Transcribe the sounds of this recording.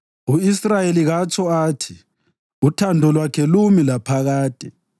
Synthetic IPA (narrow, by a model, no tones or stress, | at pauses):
uisrajeliɣat͡ʃʰʼɔaːtʰi | utʰandʱɔlwakʰɛlumilapʰaɣaːtʼɛ